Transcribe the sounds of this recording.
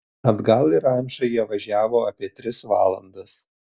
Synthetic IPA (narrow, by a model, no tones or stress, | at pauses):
ɐd̪ɡɐlˠɪɾɐˑnʲʃɐjiɛʋɐʒʲæːʋoːɐpʲiɛt̪ʲɾʲɪsʋɑːlˠɐ̰nd̪ɐs